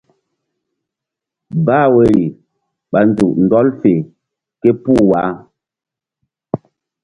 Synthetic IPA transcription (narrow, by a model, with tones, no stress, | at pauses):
baː˦˨we˨ɾi˨ | ɓa˨n˨d͡zu˨ʔn̩˨dɔ˦lfe˨ | ke˦pu˦˨wa˨˦